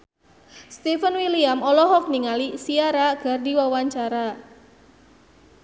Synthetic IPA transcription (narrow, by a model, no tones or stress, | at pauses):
st̪ifənwiliamɔlɔɦɔk̚niŋalisiaɾaɡ̥a̤rdiwawaɲt͡ʃaɾa